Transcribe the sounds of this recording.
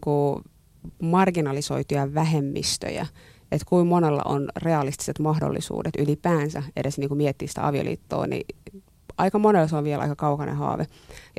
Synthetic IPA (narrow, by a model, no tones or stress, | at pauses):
ku | mɑrɡinɑlisoit̪ijɑʋæɦemːist̪ø̰jæ̰ | et̪kuimmonelːɑ̰ʔonreɑlist̪i̥set̪mɑhdo̰lːḭsṵːdet̪ylipæːnsæedesniːŋkumiɛt̪ːiːsi̥t̪æ̰ɑ̰ʋio̰lḭːt̪ːo̰ːnḭ | ʔɑikɑmonelːseoʋʋiɛlʔɑ̰ikɑkɑukɑnḛhɑ̰ːʋe | j